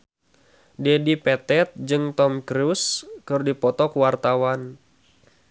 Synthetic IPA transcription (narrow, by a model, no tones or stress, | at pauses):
dɛdipɛt̪ɛt̪̚d͡ʒɨŋt̪ɔmkɾuskɨrdipɔt̪ɔkuwart̪awan